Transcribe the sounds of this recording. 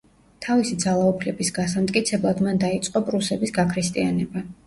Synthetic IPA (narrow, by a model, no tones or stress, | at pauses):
t̪ʰavisid̪zalˠaupʰlɛbisɡasamt̪ʼkʼit̪sʰɛblˠad̪mand̪ait̪sʼqʼɔpʼɾusɛbisɡakʰɾist̪ʼianɛba